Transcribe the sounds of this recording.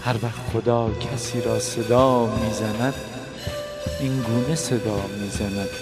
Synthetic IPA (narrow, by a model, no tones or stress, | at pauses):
hæɾvæxt̪χod̪ɒːcʲʰæsiːɾɒːse̞d̪ɒːmiːzænæd̪ | inɡuːnese̞d̪ɒːmiːzænæd̪̥